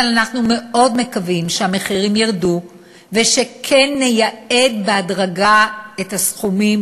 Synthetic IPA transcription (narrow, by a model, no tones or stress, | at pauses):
alanaχnume̞o̞dme̞kavimʃeameχiʁimjiʁdu | veʃekʰenːejae̞d̪beadʁaɡaethasχumim